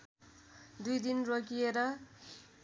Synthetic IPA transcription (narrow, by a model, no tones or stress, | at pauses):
d̪ujd̪inrokijeɾʌ